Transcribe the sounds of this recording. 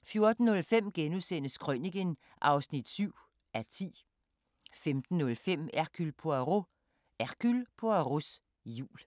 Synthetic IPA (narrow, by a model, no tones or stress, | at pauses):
fjo̝ɐd̥n̩ːɔ̽lfem̰ɡ̥enusen̰əskʰʁœniɡ̥ən | ʔɑ̈ʊsnid̥syʊ̰ | ʔæt͡sʰḭː | femd̥n̩ːɔ̽lfem̰æɐkʰylpʰoæʁo | ʔækʰylpʰoæʁos | jṵːl